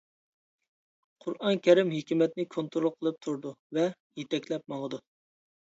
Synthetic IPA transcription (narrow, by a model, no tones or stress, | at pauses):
qʰʊɾɑnkʲɛɾɪmɦekʲimɛt̪̚nɪkʰont̪ɾolˠqʰːəlˠɨp̚t̪ʰuɾd̪uvɛ | jet̪ʰɛkʲlɛp̚mɑʁəd̪u